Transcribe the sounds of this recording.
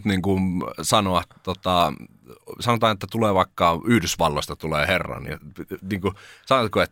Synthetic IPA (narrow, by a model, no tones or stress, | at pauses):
t̪niŋkunsɑnoɑtt̪ot̪ɑ | sɑnot̪ɑːnet̪ːæt̪uleːʋɑikːɑyhdysʋɑlːost̪ɑt̪uleːherːɑ̰nḭniːŋkusɑnot̪koet̪ː